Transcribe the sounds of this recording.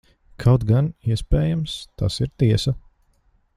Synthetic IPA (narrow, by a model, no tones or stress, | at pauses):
kʰawt̪ɡaniɛspɛːjamst̪a̰siɾt̪iɛsɐ